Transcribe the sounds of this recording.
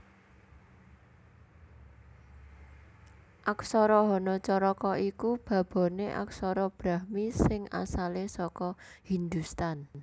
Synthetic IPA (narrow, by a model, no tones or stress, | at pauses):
ʔaksɔɾɔɦɔnɔt͡ʃɔɾɔkɔʔikub̥a̤b̥ɔ̤neʔa̰k̚sɔɾɔb̥ɾa̤hmisɪŋa̰salesɔkɔhind̪ust̪an